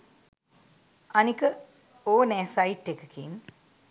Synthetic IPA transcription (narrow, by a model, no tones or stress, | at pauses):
ɐnikə | oːnɛːsaiʈːekəkʰḭn